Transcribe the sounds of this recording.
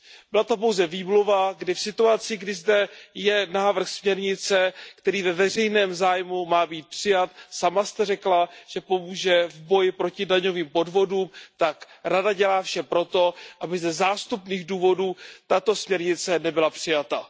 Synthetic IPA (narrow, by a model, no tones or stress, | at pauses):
bɪlat̪op̬o̞wzɛviːmluvaɡdɪfsɪt̪uat͡sɪɡdɪzdɛjɛnaːvr̩xsmɲɛɾɲɪt͡sɛkt̪ɛɾiːvɛvɛr̝ɛjnɛːmzaːjmumaːbiːt̪̚pr̥ɪjat̪samast̪ɛrɛklaʒ̥ɛpo̞muːʒɛvbo̞jɪpɾo̞cɪdaɲo̞viːmpo̞dvo̞duːmt̪ak | ɾadaɟɛlaːfʃɛpɾo̞t̪o̞ʔabɪzɛzaːst̪upniːɣduːvo̞duːt̪at̪o̞smɲɛɾɲɪt͡sɛnɛbɪlapr̥ɪjat̪a